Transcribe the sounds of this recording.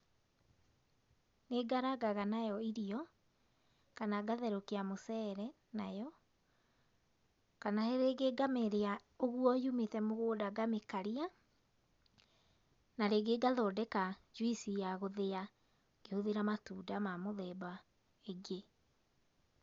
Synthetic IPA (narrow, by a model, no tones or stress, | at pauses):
neɡaɾaɡaɣanajɔiɾiɔ | kanaɡaðɛɾokeamosɛɾɛ | najɔ | kanaeɾeɡeɡameɾea | oɣuɔjumetɛmoɣoːdaɡamekaɾia | naɾeɡeɡaðɔːdɛkad͡ʒwisijaɣoðea | ɡ̥ehoðeɾamatuːdamamoðɛba | eɡe